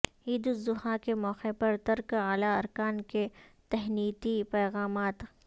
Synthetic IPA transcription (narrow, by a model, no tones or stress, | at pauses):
iːd̪ʊzʊhakemɔːqepɐɾt̪ɐɾkaːlaɐɾkaːnket̪ɛɦniːt̪ipɛːɣaːmaːt̪